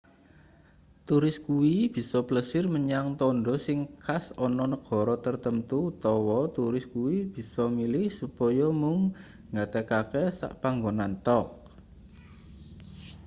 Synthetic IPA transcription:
t̪uɾɪskuwib̥i̤sɔbləsɪrməɲaŋt̪ɔɳɖɔ̤sɪŋkʰasɔnɔnəɡ̥ɔ̤ɾɔt̪ərt̪əmt̪uːt̪ɔwɔt̪uɾɪskuwib̥i̤sɔmilɪhsupɔjɔmʊŋ | ŋɡat̪əkakɛsa̰ʔpaŋɡonant̪ɔk̚

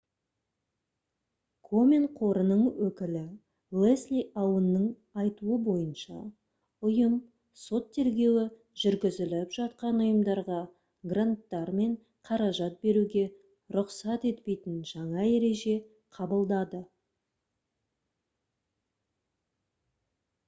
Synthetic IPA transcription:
kʰomʲenqʰo̞ɾənəɴwɵkʲɪlɪ | lˠeslʲijɑwənːəɴ | ɑjt̪uəbo̞jənʃɑ̰ | ʊjəm | so̞t̪ʰːe̞ɾɡʲe̞wɪ | ʒʏɾɡʲɪzɪlɪpʒ̥ɑt̪̚qɑnʊjəmd̪ɑɾʁɑ | ɡrant̪ːɑɾme̞ɴ | qʰɑɾɑʒɑt̪̚be̞ɾuɡʲe̞ | ɾʊqsɑt̪e̞t̪pe̞jt̪ɪnʒɑɴɑe̞ɾe̞ʒe̞ | qʰɑbəlˠd̪ɑd̪ə

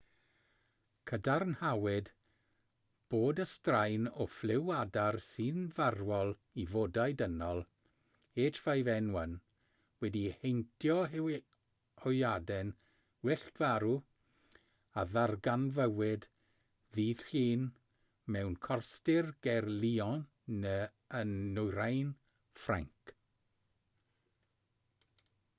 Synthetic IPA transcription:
kʰədarnhawɪd | b̥oːdəstrajnɔflˠɪwadarsɨnvarwɔlˠ | ivodajdənɔlˠ | eːtʰv̥ajvɛnwən | wɛdihejntʰjɔ | hɔjadɛn | wɛɬd̥vaɾu | aðarɡanvəwɪd | ðiːð̥ɬiːn | mɛwnkʰɔrstɪrɡ̥ɛrliːɔ | nə | ənːʊjɾajn | fra̰ŋk

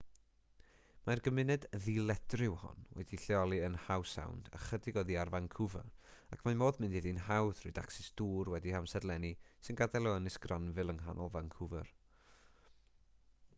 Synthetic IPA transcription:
majrɡəmɪnɛdðilˠɛd̥rɪwhɔ̰nwo̰diɬɛɔlˠiənhawsa̰wnda̰χədɪɡoðiarvaŋkʰʊvə̰rakʰmamoːðmɪndiðinhawθrʊ̰da̰ksɛsd̥uːrwɛdihamsɛdlˠɛnisɪnɡadajlˠoənɪsɡ̥ranvɨlˠənɦa̰nʔɔlˠvaŋkʰʊvər

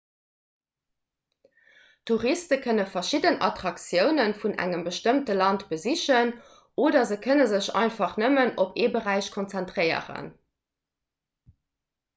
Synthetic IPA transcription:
tʰuʁistəkʰənəfɐʃidənɑ̰tʁɑksjəʊnənfunʔæ̰ŋəmbəʃtəmtəlɑntbəziɕən | oːdɐzəkʰənəzəɕɑ̰ɪntfɑχnəmənopeːbəʁæɪɕkʰont͡sæntʁɜɪə̰ʁə̰n

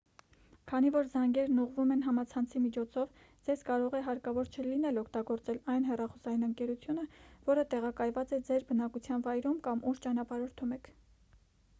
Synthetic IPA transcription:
kʰɑnivɔɾzɑŋɡɛɾnuʁvumɛnɦɑmɑt͡sʰɑnt͡sʰimit͡ʃʰɔt͡sʰɔv | d͡zɛzkɑɾɔʁɛɦɑɾkɑvɔɾt͡ʃʰəlinɛlɔkʰt̪ɑɡɔɾt͡sɛlɑjnɦɛrɑχɔsɑinəŋkɛɾut͡sʰjunəvɔɾət̪ɛʁɑkɑjvɑt͡sɛd͡zɛɾbənɑkut͡sʰjɑnvɑjɾumkɑmuʃt͡ʃɑnɑpɑɾɔɾt̪ʰumɛkʰ

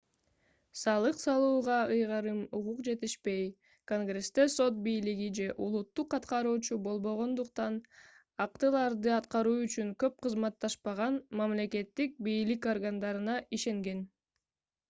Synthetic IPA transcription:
sɑlˠɯqsɑlˠuːʁɑɯjʁɑɾɯmuʁuqd͡ʒe̞t̪iʃpe̞j | ko̞ŋɡre̞st̪e̞so̞t̪̚bijliɡid͡ʒe̞ʔulˠut̪ːuqːɑt̪qɑɾuːt͡ʃubo̞lˠbo̞ʁo̞nd̪uqt̪ɑn | ɑqt̪ɯlˠɑɾd̪ɯɑt̪qɑɾuːyt͡ʃyŋkø̞p̚qʰɯzmɑt̪ːɑʃpɑʁɑnmamle̞ke̞t̪ːik̚bijliko̞rɡand̪ɑɾɯnɑiʃe̞ŋɡe̞n

